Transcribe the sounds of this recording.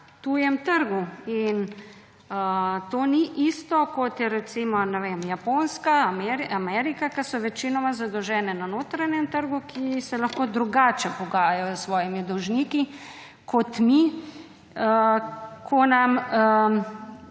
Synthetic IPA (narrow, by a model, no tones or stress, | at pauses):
t̪ujɛmt̪əɾɡuin | ət̪oːniʔist̪ɔkɔt̪jɛɾɛt̪simɔnɛʋeːmjapoːnskamɛɾamɛɾikakasɔʋɛt͡ʃinɔmazad̪ɔwʒɛːnɛnanoːt̪ɾanjɛmt̪əɾɡukʰisɛlɐxkoːd̪ɾuɡaːt͡ʃɛpɔɡaːjajɔsʋɔːjimid̪ɔwʒniːki | kʰɔt̪mi | əkʰɔnamə